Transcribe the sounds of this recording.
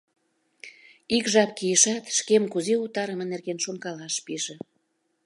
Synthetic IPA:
ikʒɑpkijəʃɑt̪ʃkemkuzeut̪ɑɾəmə̆nerɣenʃonkɑlɑʃpiʒĕ

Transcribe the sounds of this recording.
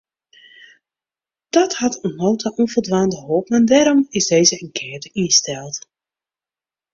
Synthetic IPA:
d̥ɔthatɔmowtaʔɔnvəlˠdʋaːndəhoːpnandɛɾɔmɪsdejzəənkʰɛːtəiəstɛlˠt

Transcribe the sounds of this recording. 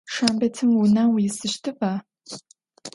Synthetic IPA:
ʂaːmbɐtʰɨmwunaːwjɪsɨʃtʰɨpaː

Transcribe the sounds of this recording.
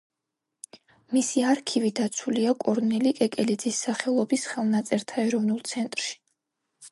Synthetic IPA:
misiaɾkʰivid̪at̪sʰuliakʼɔɾnɛlikʼɛkʼɛlid̪zisːaχɛlˠɔbisχɛlˠnat̪sʼɛɾt̪ʰaɛɾɔvnulˠt̪sʰɛnt̪ʼɾʃi̥

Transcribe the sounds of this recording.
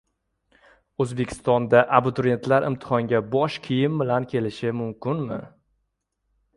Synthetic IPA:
ɵzbe̞kʲʰɪ̥st̪ɒnd̪aʔabʊt̪ʰʊɾe̞nt̪ʰlaɾɪ̰mt̪ʰɪ̥χɒŋɡʲabɒʃkʲʰijɪmbɪlankʲʰe̞lɪʃɪmʊmkʲɪnmɪ̰

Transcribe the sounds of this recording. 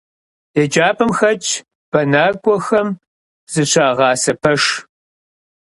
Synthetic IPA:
jɛd͡ʒaːpʰɨmxɐt͡ʃʰʼ | b̥ɐnaːrɡʷʼɔxɐm | z̥ɨɕʷʰaːʁɑːsɐpʰɐʂ

